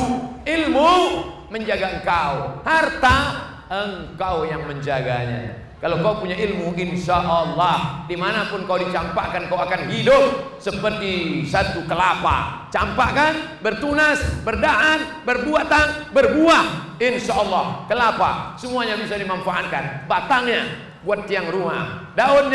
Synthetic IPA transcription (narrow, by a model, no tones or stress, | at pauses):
ilmu | məɲd͡ʒaɡaəŋkawhart̪a | əŋkawjaŋməɲd͡ʒaɡa̰ɲa̰ | kalokaupuɲaʔilmuʔinʃaʔəlːɔhdimanapʊnkawdit͡ʃampaʔkankauakanɦidʊŋsəpərt̪isat̪ukəlapa̰t͡ʃampakan | bərt̪unasbərdaʔan̚ | bərbuaʔt̪aŋbərbuahinʃaʔɔlːɑhkəlapa̰səmuaɲabisadimanfaʔat̪̚kanbat̪aŋɲa | buat̪̚ːiaŋɾuma̰hdaʊt̪